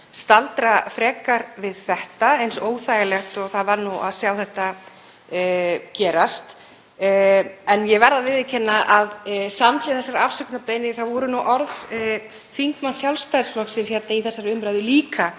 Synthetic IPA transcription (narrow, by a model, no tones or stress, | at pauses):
st̪alt̪ɾafɾɛːkaɾvɪðθɛht̪aejnsoːwθaːjɣalɛxt̪ɔɣθaðvaɾnua̰ðsjawθɛht̪a | cɛːɾast̪ː | ɛnjɛvɛɾðavɪðɪcʰɛnːaʔaðsamflɪθɛsːaɾafsʏknap̪ejnɪθaðvɔɾʏnuʔɔɾv | fiŋkmansjawlst̪ajsflɔksɪnsçɛt̪naiθɛsːaɾʏmɾajðʏliːka